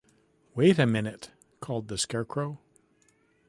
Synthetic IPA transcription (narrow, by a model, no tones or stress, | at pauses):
weɪɾɨmɪ̃nɨt | kʰɔlˠd̪̚ðɨskɛɹkʰɹ̥oʊ